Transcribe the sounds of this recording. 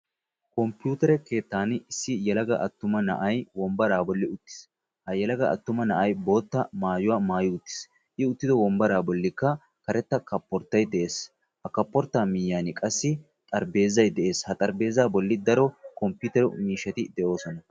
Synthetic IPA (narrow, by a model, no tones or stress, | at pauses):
kɔmpjuːt̪ɛɾɛke̞ːt̪ːaːnɪsːɪjɛlɐɡɐ̰ʔɐt̪ːʊmɐnɐ̰ʔɐjwɔmbɐɾaːbɔlːɪʊt̪ːɪ̥s | hɐjɛlɐɡɐʔɐ̰t̪ːʊmɐnɐʔɐjbo̞ːt̪ːɐmaːjʊwaːmaːjʊʊt̪ːɪ̥s | ʔɪʊt̪ːɪd̪ɔwɔmbɐɾaːbɔlːɪkːɐ | kɐɾɛt̪ːɐkɐpːɔɾt̪ːɐjd̪ɛʔe̞ːs | hɐkɐpːɔɾt̪ːaːmɪjːaːnɪkʼɐsːɪ | t̪ʼɐɾbe̞ːzːɐjd̪ɛʔe̞ːshɐt̪ʼɐɾbe̞ːzaːbɔlːɪd̪ɐɾɔkɔmpjuːt̪ɛɾʊmiːʃːɐt̪ɪd̪ɛʔo̞ːsɔnɐ